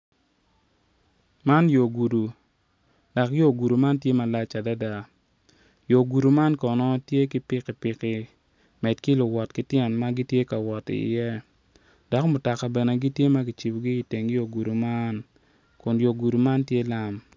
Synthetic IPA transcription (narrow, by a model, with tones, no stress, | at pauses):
ma˦njo˨ɡu˨du˨ | da˨kjo˦ɡu˨du˨ma˦ntje˦ma˨la˦t͡ʃa˨da˦da˨ | jo˨ɡu˨du˨ma˦nkɔ˨nɔ˦tje˦ki˦pɪ˦kɪ˨pɪ˨kɪ˦ | mɛ˨dki˦lʊ˨wɔ˨tkɪ˦tjɛ˨nma˦ɡi˦tje˦ka˨wɔ˨tɪ̰˨jɛ˦ | d̥ɔ˨˦kmʊ˨ta˨ka˨bɛ˨ne˨ɡi˦tje˦ma˦ɡɪ˨t͡ʃi˨bɡi˦ɪ˨te˨ŋ˦jo˨ɡu˨du˨ma˦n | kʊ˨njo˨ɡu˨du˨ma˦ntje˦la˦m